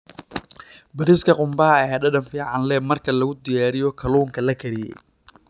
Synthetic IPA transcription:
bɐɾɪskʰɐqʊmbɐɦɐɦɛːɐdɐnfiːʕɑnlɛmɐrkʰɐlɐɣʊd̪ɪjaːɾɪjɔkʰɐluːŋkʰɐlɐkʰɐɾɪjɛ̰j

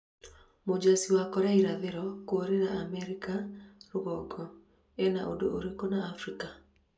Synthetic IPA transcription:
mod͡ʒasiwakɔɾɛiɾaðeɾɔkoɾeɾaamɛɾikaɾoɣɔɡɔ | ɛnaʔodoʔoɾekɔnaːfɾika

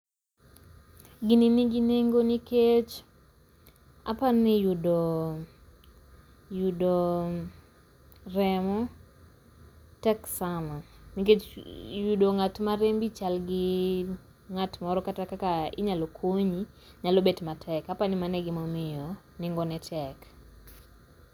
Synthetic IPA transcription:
ɡɪnɪniɡineŋɡoniket͡ʃ | a̰panɪjudo | judo | rɛmɔ | tɛksamaniket͡ʃjudoŋatmaɾembit͡ʃalɡɪ | ŋatmɔɾɔkatakakaɪ̰ɲalokʰoɲi | ɲalobetmatʰɛkapanɪmanɛɡɪmomɪjɔ | nɪŋɡɔnɛtʰɛk

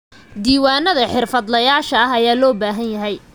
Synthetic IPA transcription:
d̪iːwaːnɐðɐħɪrfɐd̪lɐjaːʃɐɐɦɐjaːlɔːbaːɦɐnjɐɦɛj

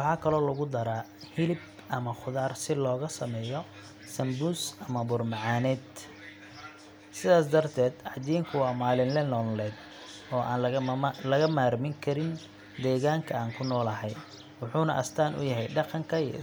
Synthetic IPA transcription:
wɑħɑːkʰɐlɔːlɐɣʊd̪ɐɾaː | hɪlɪb | ʔɐmɐχʊðaːrsɪlɔːɣɐsɐmɛːjɔ | sɐmbuːsɐmɐbʊrmɑʕaːnɛːd̪ | sɪðaːsd̪ɐrt̪ʰɛːd̪ʕɑd͡ʒiːŋkʰʊwɑːmaːlɪnlɛnɔːnlɛːd̪ | ɔːʔa̰ːnɐlɐɣɐmaːɾmɪŋkʰɐɾɪn | d̪ɛːɣaːŋkʰɐaːŋkʰʊnɔːlɐɦɛj | wʊħuːnɐ̰ʔɐst̪ʰaːnʔʊ̰jɐɦɛjɖɑqɑŋkʰɐi

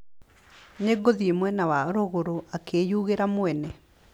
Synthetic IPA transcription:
ɲeɡoðiemwɛnawaɾoɣoɾoʔakʰejuɣeɾamoɛnɛ

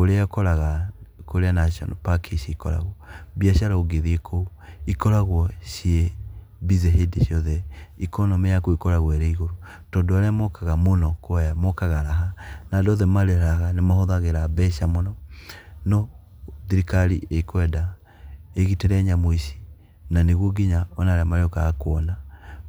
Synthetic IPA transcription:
oɾeakɔɾaɣakoɾeanaʃiɔ̰npakʰiʃiikɔ̰ɾa̰ɣɔbiaʃaɾaoɡeðiekʰouikɔɾaɣwɔʃieβizeɦedeʃiɔðɛikɔnɔmejakoikɔɾaɣwɔeɾeiɣoɾo | tɔːndoaɾeamɔkaɣamonɔkwjamɔkaɣaɾaɦanadɔðɛmaɾeɾaɣanemahoðaɣeɾabɛʃamonɔnɔ | ðiɾikalḭeikwɛda | eɣitɛɾɛɲamoiʃi̥ | naneɣwoɡiɲaɔnaɾeamaɾeokaakwɔna

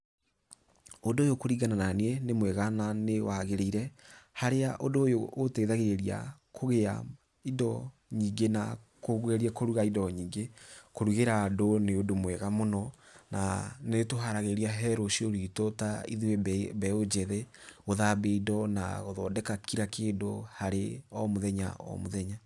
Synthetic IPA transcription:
odoːjokoɾiɡanananeɛnemwɛɣananewaɣeɾeiɾɛhaɾeaʔodoːjoːtɛiðaɣeɾeɾia̰kʰoɣea̰ | idɔ | ɲiːŋɡena | koɣweɾiɛkoɾuɣaidɔɲiːŋɡekoɾuɣeɾaːdoneodomwɛɣamonɔna̰netoɦaɾaɣeɾiaɦɛɾoʃioɾitotaḭðiwebɛod͡ʒɛðeɣoðabeidɔna̰ɣoðɔdɛkakiɾakeːndohaɾeɔmoðɛɲa̰ɔ̰moðɛɲa

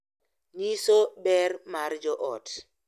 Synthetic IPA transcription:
nisobɛrmaɾd͡ʒɔʔɔt

